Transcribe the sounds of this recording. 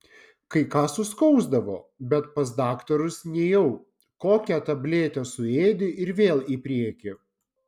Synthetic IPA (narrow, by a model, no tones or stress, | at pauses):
kɐɪkɑːsʊskɒʊzd̪ɐʋoːbʲɛt̪pɐs̬d̪ɑːkt̪ɔɾʊsnʲɛjɛʊ | koːkʲæt̪ɐbʲlʲeːt̪ʲɛsʊeːd̪ʲɪʔɪɾʋʲeːlˠiːpʲɾʲiɛkʲɪ